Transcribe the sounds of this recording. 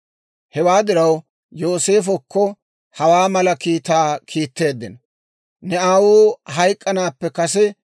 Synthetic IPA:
hɛwaːd̪ɪɾɐw | jo̞ːse̞ːfɔkːɔ | hɐwaːmɐlɐkiːt̪aːkʰiːt̪ːe̞ːd̪ːɪnɔ | nɛaːwuːɦɐjkʼːɐnaːpːɛkɐsɛ

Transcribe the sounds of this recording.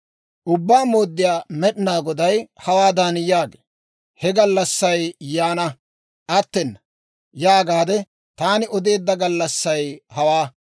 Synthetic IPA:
ʔʊbːaːmoːd̪ːɪjaːmɛɗɪnaːɡɔd̪ɐjhɐwaːd̪anjaːɡe | hɛɡɐlːɐsːɐjjaːnɐ | ʔɐt̪ːɛn | jaːɡaːd̪ɛ | t̪aːnɪʔɔd̪e̞ːd̪ːɐɡɐlːɐsːɐjhɐwaː

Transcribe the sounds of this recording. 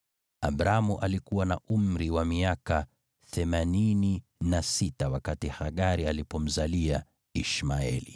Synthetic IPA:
abɾamuʔalikuwanaʔum̩ɾiwamiaka | θɛmanini | nasitawakatihaɠaɾialipɔm̩zalia | iʃmaɛ̰li

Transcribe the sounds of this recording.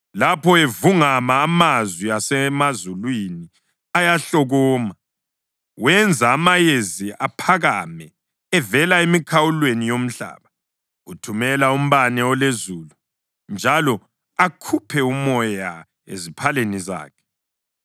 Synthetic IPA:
lapʰɔevuŋamaːmazwiasɛmazulwini | ajaɬɔɣɔːma | wɛnd͡zʱaːmajeziapʰaɣamɛ | ɛvɛlaemikʰawulwenijom̩ɬa̰ːβa | ɣutʰumɛlaum̩βanɛɔlezuːlu | nd͡ʒʱalɔ | akʰupʰɛumɔja | ḛzipʰaleniza̰ːkʰɛ̥

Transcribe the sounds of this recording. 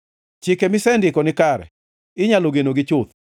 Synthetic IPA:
t͡ʃɪkemɪsɛndɪkɔnɪkaɾɛ̰ | ɪɲaloɡenoɡɪt͡ʃʊt̪̚

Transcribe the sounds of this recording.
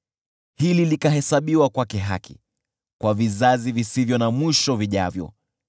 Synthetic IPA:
hililikaɦɛsaɓiwakwakɛɦa̰kʰi̥̰ | kwavizazivisivjɔnamwiʃɔviʄa̰vjɔ̰

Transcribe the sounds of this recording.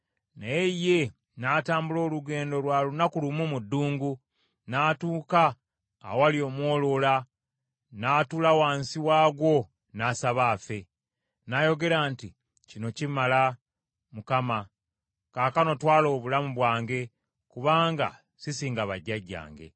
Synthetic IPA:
najeje̞ | nataːmbulo̞ːluɡe̞ːndo̞lwaːlunakulumumudːuːŋɡu | naːtuːkaː | walio̞ːmwo̞ːlo̞la | naːtulawaːnsiwaːɡwo̞ | naːsaβaːfe̞ | najo̞ɡe̞ɾanti | cino̞cimala | mukama | kaːkano̞twaːlo̞ːβulamuβwaːŋɡe̞ | kuβaːŋɡa̰ | sisiːŋɡaβaɟːaɟːa̰ːŋɡe̞̰

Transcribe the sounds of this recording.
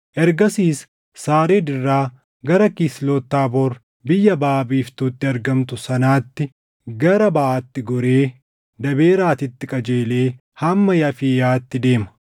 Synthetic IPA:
ʔɛɾɡɐsiːsː | aːɾeːd̪ɪrːaː | ɡɐɾɐkiːsloːt̪ːaːboɾ | bɪjːɐbaːbiːft̪uːt̪ːɪɐɾɡɐmt̪ʊsɐnaːt̪ːɪ | ɡɐɾɐbɐʔaːt̪ːɪɡɔɾe̞ː | d̪ɐbe̞ːɾaːt̪ɪt̪ːɪkʼɐd͡ʒe̞ːle̞ː | hɐmːɐjɐfiːjaːt̪ːɪd̪e̞ːmɐ̥

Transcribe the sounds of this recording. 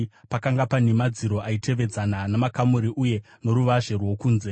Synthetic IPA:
pakaŋɡapanemad͡ziɾo̞ʔaitʰe̞ʋe̞d͡zananamakamuɾiʔuje̞ | no̞ɾuʋaʒerwo̞kuːnze

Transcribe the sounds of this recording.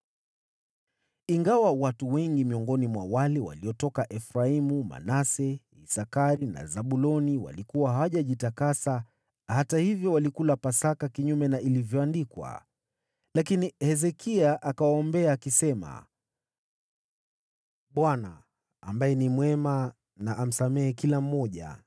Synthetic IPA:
iŋɡawawatuwɛŋɡimiɔŋɡɔnimwa̰walɛwa̰liɔtɔkaʔɛfɾaimuma̰nasɛ | isakaɾina̰zaɓulɔniwa̰likuwaɦawaʄaʄitakasa | hatahivjɔwalikulapasakakiɲumɛnaʔilivjɔandikwa̰ | lakinihɛzɛkiaʔakawaɔmbɛaːkisɛma̰ | ɓwana̰ː | mbajɛnimwɛma | naʔam̩samɛɛkilam̩ːɔʄa̰

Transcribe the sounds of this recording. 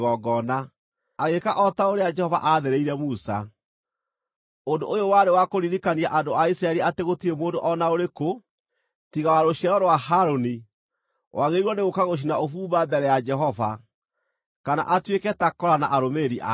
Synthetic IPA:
ɣɔɡɔna | aɣekaʔɔtaoɾead͡ʒɛhɔva̰ʔaðeɾeiɾɛmusa | ondo̰ʔːjowaɾewakoɾiɾikaniaʔandoaisɾaɛɾiateɣotiɾemoːndoʔɔnaoɾeko | tiɣawaɾoɕiaɾɔɾwaɦaɾoni | wʔaɣeiɾwɔneɣokaɣoɕ̬inaofuːbabɛɾɛjad͡ʒɛɦɔva | kana̰ʔatwekɛtakɔɾana̰ʔaɾomeɾiʔa

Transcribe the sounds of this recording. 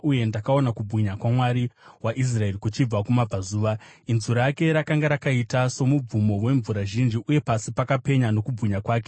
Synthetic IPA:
uje̞ndakao̞nakubʱwiɲakwamwaɾiwaʔis̬rae̞rikut͡ʃib͡vakumab͡vazuːʋainzuɾake̞ɾakaŋɡaɾakaitaso̞mub͡vumo̞we̞ɱvuɾaʒind͡ʒiʔuje̞pasipakape̞ɲano̞kubʱɣiɲakwaːke̞

